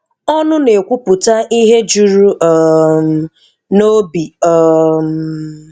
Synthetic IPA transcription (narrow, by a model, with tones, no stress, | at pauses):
ɔ˦nʊ˦ne˨kʷu˦pʊ˨ta˦ʔi˦ɦe˦d͡ʒu˨ɾu˦ʔɔ˨m̩˨ | no˦bi˨ɔ˨m̩˨